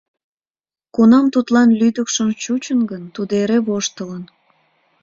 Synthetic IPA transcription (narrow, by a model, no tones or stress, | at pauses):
kunɑmt̪ut̪lɑnlyd̪əkʃəmt͡ɕut͡ɕənɡənt̪ud̪eɾeβoʃt̪ələn